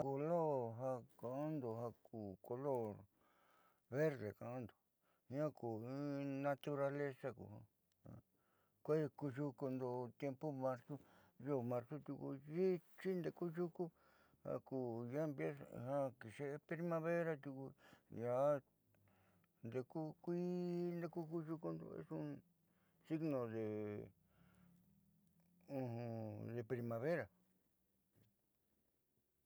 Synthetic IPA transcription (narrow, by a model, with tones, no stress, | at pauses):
ko˧lo˦˨ɾɦa˧ka˧˨ʔa˦nd̪o˨ɦa˧kuː˨ko˧lo˦˨ɾ | βe˦ɾðe˨kã˨ʔã˦nd̪o˨ | hã˦kuː˨ĩ˦nã˧t̪u˧ɾa˧le˦sa˦˧kṵ˨hã̰˧ | hã̰˧ | kʷe˦˧ku˧ʒu˧ku˧nd̪o˧t̪je˧mpu˦mã˧ɾsu˦jo˦˨mã˧ɾsu˦t̪u˧kṵ˧ʒi˦t͡ʃi˦nd̪e˧˨ku˦ʒu˦ku˦ | hã̰˧ku˧˨ja˦mbe˦shã˦˧ki˨ʃe˦ʔe˧pɾi˧mã˧βe˦ɾa˧t̪u˧ku˧ja˨˧˦ | nd̪e˧ku˦kʷi˦nd̪e˧ku˦ku˦ʒu˧ku˧nd̪o̰˧ḛ˦sũ˦ | si˦ɡnõ˨ðe˨ | ũ˧ɦũ˧ðe˧pɾi˧mã˨βe˦ɾa˨